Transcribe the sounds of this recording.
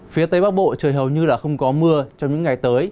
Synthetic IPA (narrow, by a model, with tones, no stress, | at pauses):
fi˨˦ət̪ə˧jɓaː˦˥k̚ɓo̰˧˨t͡ɕəː˨˩jɦə˨˩wɲɨ˧laː˨˩xə˧wŋ͡mkɔ˨˦mɨ˧ət͡ɕɔ˧wŋ͡mɲɨ̰˧˥ŋːa˨˩jt̪əː˨˦j